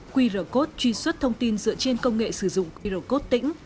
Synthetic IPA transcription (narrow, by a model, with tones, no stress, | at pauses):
kwi˧zəː˧˩ko˦˥t̚t͡ɕwi˧swə˦˥t̚t̪ʰə˧wŋ͡mt̪i˧nzɨ̰˧˨ət͡ɕe˧nkə˧wŋ͡mŋḛ˧˨sɨ˧˩zʊ̰˧˨ŋ͡mkwi˧ɾə˧˩ko˦˥t̚t̪ḭ˧˥ŋ̟